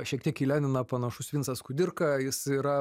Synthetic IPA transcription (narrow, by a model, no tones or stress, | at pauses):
ʃʲiɛkt̪ʲiɛkiːlʲæːnʲɪnɐpɐnɐʃʊsʋʲinsɐskʊd̪ʲɪrkɐjɪsiːɾɐ